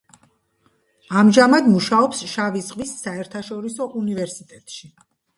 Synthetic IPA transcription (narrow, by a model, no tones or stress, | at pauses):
amʒamad̪muʃaɔpsʃavisqʼvisːaɛɾt̪ʰaʃɔɾisɔʔunivɛɾsit̪ʼɛt̪ʼʃi